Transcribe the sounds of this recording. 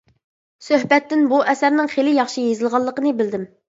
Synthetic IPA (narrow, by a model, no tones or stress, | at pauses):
søhbɛt̪ːɪnbuʔɛsæɾnɪŋχelɪjɑχʃijezɨlˠʁɑlˠːəqənɨbɪld̪ɪm